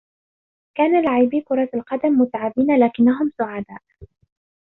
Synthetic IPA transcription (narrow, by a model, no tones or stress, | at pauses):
kaːnalaʕibiːkʊɾˤɑalqɑd̪amːʊt̪ʕabiːnalaːkɪnːaɦʊmsʊʕad̪aːʔ